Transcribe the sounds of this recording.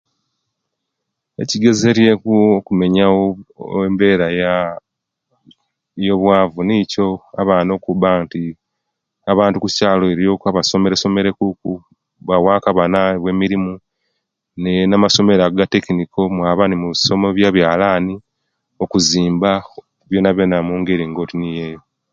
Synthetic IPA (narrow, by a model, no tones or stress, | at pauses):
e̞ciɡe̞ze̞ɾjekuokume̞ɲaoembe̞ːɾaja | jo̞βwaːvunico̞a̰βano̞ːkubanti | aβaːntukucaːlo̞e̞ɾijo̞ːkaβaso̞meɾeso̞me̞ɾe̞kuku | βawaːkaβanaβwe̞miɾimu | nenamaso̞me̞ɾaɡate̞kiniko̞mwaːβaːnimuβiso̞moβjaβjaːlaːni | o̞kuziːmba | βjo̞ːnaβjenamuːŋɡe̞ɾiŋɡo̞tinijeːjo